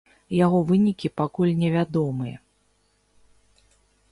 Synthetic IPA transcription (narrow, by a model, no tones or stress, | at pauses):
jaɣɔvɨnʲikʲipakulʲnʲɛvʲad̪ɔmɨjɐ̰